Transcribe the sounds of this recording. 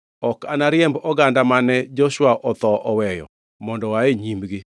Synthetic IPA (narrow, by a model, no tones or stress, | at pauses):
ɔkanaɾjɛmbɔɡandamanɛd͡ʒɔʃwaʔɔt̪ɔʔɔwɛjɔ̰ | mɔndɔwaeɲimbɡɪ